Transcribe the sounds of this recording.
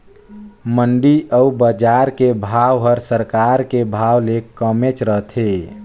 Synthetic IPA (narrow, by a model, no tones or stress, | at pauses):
məɳɖiʔəubəd͡ʒaɾkebʱawɦəɾsəɾkaɾkebʱawlekəmet͡ʃɾəɦt̪ʰe